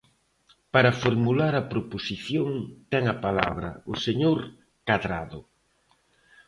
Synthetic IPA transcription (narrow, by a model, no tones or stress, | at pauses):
paɾɐfoɾmulaɾɐpɾoposiθjoŋt̪ɛŋɐpala̰βɾɐ̰ʊseɲoɾ | kaðɾaðʊ